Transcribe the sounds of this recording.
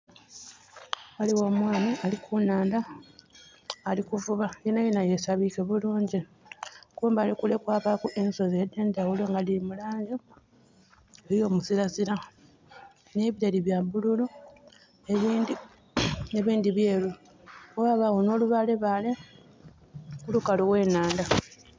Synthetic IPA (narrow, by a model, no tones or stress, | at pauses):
aliwamwaːnialikʰunaːnda | likuvuβajenajenaje̞saβike̞βuluːɲɟi | kuːmbaːlikule̞kwaːpakuʔenso̞zedːe̞ndawuleŋɡalilimulaːɲɟo | ejo̞ːmusiɾaziɾa | ne̞βiɾaliβjabululo | eβiːndi | eβiːnd̪iβjeːlu | owaːβawono̞ːluβale̞βale̞ | kulukaloɣwe̞ːnaːnda